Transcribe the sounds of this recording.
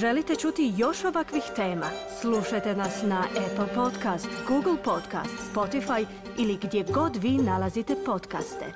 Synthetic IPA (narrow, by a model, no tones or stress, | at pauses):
ʒe̞lit̪e̞t͡ʃut̪ijo̞ʃo̞ʋakʋixt̪e̞ːma̰sluʃajt̪e̞nasnaʔepl̩ˠpo̞t̪kast̪ɡuɡl̩ˠpo̞d̪ka̰ːst̪spo̞t̪ifaj | iliɡd̪je̞ɡo̞d̪ʋiːnalazit̪e̞po̞t̪ka̰st̪ḛ